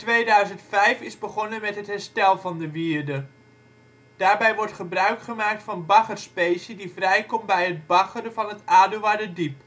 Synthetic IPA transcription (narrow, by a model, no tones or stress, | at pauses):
tʋejdœɥzəntfɛjfɪzbəχɔnəmɛtɦətɦɛɹstɛlˠvɑndəʋiːəɹdə | d̥aːɹbɛjʋɔɹtχəbrœɥkχəmaːk̚tfɑnbɑχərspejsədivrɛjkɔmbɛjɦəd̚bɑχərəvɑnətaːduʋaːdədip